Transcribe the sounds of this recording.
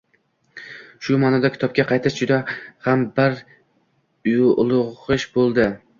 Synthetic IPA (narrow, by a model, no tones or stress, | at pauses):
ʃʊmaːnɒd̪akʲɪ̥t̪ʰɒp̚kʲaqʰɑjt̪ʰɪʃd͡ʒʊd̪ahambɪɾ | ʊjʊlˠʊɨʃbolˠd̪ɪ